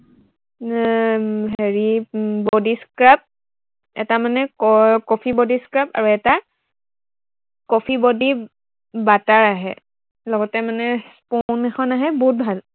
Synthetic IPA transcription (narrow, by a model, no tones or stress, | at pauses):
ɦeɹibɔdiskɹap̚ | ɛ̰tamanɛkkɔpʰibɔdiskɹapa̰ɹuɛta | kɔpʰibodi | bataɹaɦɛ̰ | lɔɡɔtɛmanɛsponɛxɔnaɦɛbɔɦut̚bʱal